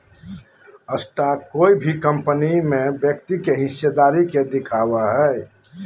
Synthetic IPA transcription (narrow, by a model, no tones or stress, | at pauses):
əsʈakoːibʱikə̃mpənimẽbjək̚t̪ikeɦɪʃed̪aːɾiked̪ɪkʰaːwaɦɛ